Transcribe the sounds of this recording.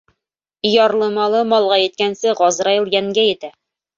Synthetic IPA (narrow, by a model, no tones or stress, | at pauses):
jɑɾlˠɤmɑlˠɤmɑlˠʁɑjɘ̆t̪̚kænsɘʁɒzɾɑjɤlˠjæŋɡæjɘ̆t̪æ